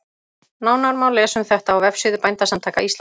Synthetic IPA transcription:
naːwnawɾmaːwlɛsʏmθɛht̪aawvɛfsʏːðʏpajnt̪asamt̪ʰaːjkaist̪l

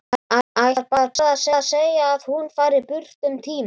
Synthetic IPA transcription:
aajɾpaðɾaðaðsaðaðseːjaːð̥hunfaːjɾɪpʏr̥t̪ʏmt̪ʰiːm

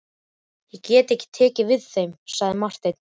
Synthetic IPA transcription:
jɛɣcɛːt̪ehcːɪ̥t̪ʰɛːcɪvɪðθejmsaɣðɪmar̥t̪ejt̪n̥

